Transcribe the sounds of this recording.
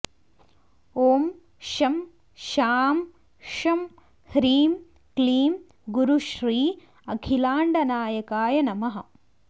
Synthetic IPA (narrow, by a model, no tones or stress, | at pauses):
oːm | ʃɐm | ʃaːm | ʃɐm | hɾiːm | kliːm | ɡuɾuʃɾiː | ɐkʰilaːɳɖɐnaːjɐkaːjɐnɐmɐɦɐ